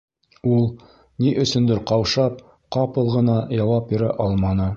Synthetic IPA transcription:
ulˠ | niʔɵ̆sɵ̆nd̪ɘɾqɑwʃɑp̚ | qɑpɤlˠʁɤ̆nɑjɑwɑp̚biɾæ̰ʔɑlˠmɑnɤ

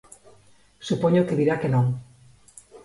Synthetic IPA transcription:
supoɲokeðiɾakenõŋ

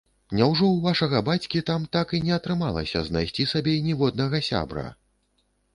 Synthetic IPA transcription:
nʲɛwʐɔwvaʂɐɣɐbat͡sʲkʲit̪amt̪akinʲɛɐt̪ɾɨmalˠɐ̰sʲɐ̰zna̰jsʲt͡sʲisabʲɛnʲɛvɔd̪̚nɐɣɐsʲa̰bɾɐ̰

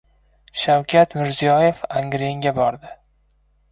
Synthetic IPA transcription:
ʃawkʲʰat̪mɪɾzijɒje̞faŋɡɾeŋɡʲabɒɾd̪ɪ

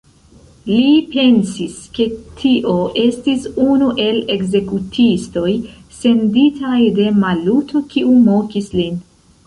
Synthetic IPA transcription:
lipe̞nsiske̞tʰiʔo̞ʔe̞stisunuʔe̞le̞ɡze̞kutʰisto̞jse̞nditʰajde̞malutʰo̞kiʔumo̞kislin

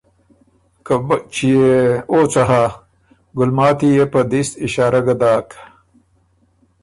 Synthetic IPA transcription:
kt͡ʃijeoːt͡sɐɦa | ɡʊlmaːt̪ijepɐd̪ist̪iɕaːɾɐɡɐd̪aːk

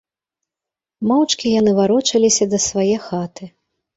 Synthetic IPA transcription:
mawt͡ʂkʲijanɨvaɾɔt͡ʂɐlʲisʲɐd̪ɐsvajɛxat̪ɨ

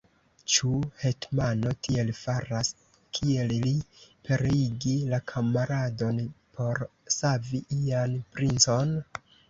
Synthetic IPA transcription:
t͡ʃuhe̞tmanotʰie̞lfaɾas | kʰie̞llipʰe̞ɾeiɡilakʰamaɾado̞npʰo̞ɾ | saviʔianpɾint͡so̞n

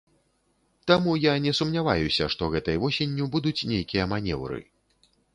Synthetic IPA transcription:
t̪amujanʲɛsumnʲavajusʲɐ̰ʂt̪ɔɣɛt̪ɐjvɔsʲenʲːubud̪ut͡sʲnʲejkʲijɐmanʲɛ̰wɾɨ̰

